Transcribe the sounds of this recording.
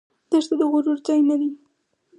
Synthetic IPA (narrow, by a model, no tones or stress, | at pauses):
d̪̥əɾt̪ad̪əɣʊɾuɾzɑjnad̪i